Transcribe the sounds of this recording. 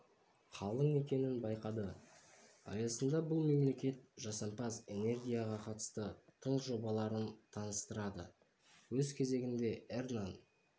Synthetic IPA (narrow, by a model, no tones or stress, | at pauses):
qʰɑlˠəɴe̞kʲe̞nɪnbɑjqɑd̪ə | ɑ̰jɑsənd̪ɑbʊlˠme̞mle̞kʲe̞t̪ʒɑsɑmpɑze̞ne̞rɡʲijaʁɑqʰɑt̪ə̥st̪ət̪ʰəɴsʒo̞bɑlˠɑɾənt̪ʰɑnəst̪əɾɑd̪ə̰ | wɵzkʲʰe̞ze̞ɡʲɪnd̪e̞ernan